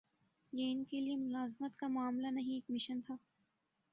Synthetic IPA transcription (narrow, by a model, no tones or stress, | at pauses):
jeɪnkeliemʊlaːzmət̪kamʊaːmlanɐɦĩeːkmɪʃənt̪ʰaː